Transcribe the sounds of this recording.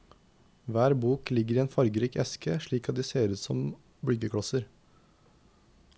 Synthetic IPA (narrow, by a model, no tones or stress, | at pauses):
ʋæːɾbuːklɪɡəɾiːeːnfɑɾɡəɾiːkɛskəʃɭiːkɑt̪̚d̪iːseːɾʉːt̪sɔm | bɽʏɡəkʰɽɑsəɾ